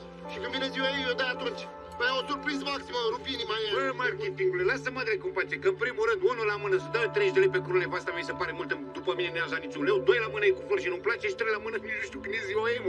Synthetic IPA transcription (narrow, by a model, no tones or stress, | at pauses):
ʃikɨnvineziwaejed̪ajat̪unt͡ʃʲ | pəjaosurpɾizəmaksimaɾupinimaemarkʲet̪iŋɡulelasəmad̪ɾekumpat͡ʃekəɨmpɾimuɾɨnd̪unulamɨnəsad̪at̪ɾeʒd̪elepekuɾulevast̪ameisepaɾemult̪əd̪upəmineujazat̪nit͡ʃunlewd̪o̞jlamɨnəekuvoɾʃ̬inumplat͡ʃeʃi̥t̪ɾejlamɨnəninuʃt̪iukɨneziwaem